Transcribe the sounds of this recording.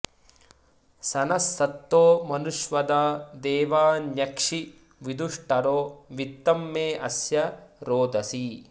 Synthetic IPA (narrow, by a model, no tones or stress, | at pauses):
sɐnɐsːɐt̪ːoːmɐnuʃʋɐd̪aːd̪ɛːʋaːnjɐkʂi | ʋid̪uʂʈɐɾoːʋit̪ːɐmːeːʔɐsjɐɾoːd̪ʱɐsi